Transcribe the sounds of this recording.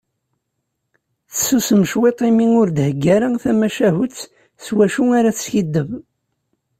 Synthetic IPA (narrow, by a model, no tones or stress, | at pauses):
θəsusəmʃwet̪ˤimiŋʊɾd̪həɡːæɾaθæmæʃæɦʊt͡sː | swæʃuaɾaθə̥sçid̪ːəv